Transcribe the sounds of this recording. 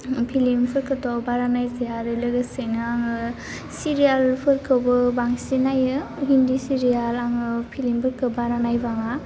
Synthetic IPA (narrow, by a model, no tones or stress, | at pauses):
pʰilimpʰɯɾkʰɯtɔbaɾanajziaɾɯlɯɡɯsejnɯaŋɯ | siɾijalpʰɯɾkʰɯwbɯbaŋsinajɯɦindisiɾijalaŋɯpʰilimpʰɯɾkʰɯbaɾanajbaŋa